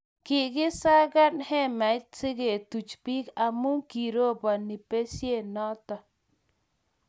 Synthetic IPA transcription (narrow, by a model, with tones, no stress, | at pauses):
kɪ˨ɡɪ˦sa˦ɡa˦nhɛ˦ma˨ɪ˦t͡sɪ˦ɡe˨t̪u˨t͡ʃpi˦ka˨mu˦ŋki˨ɾo˦ba˨ni˨pe˦sje˦˨nɔ˦t̪ɔ˨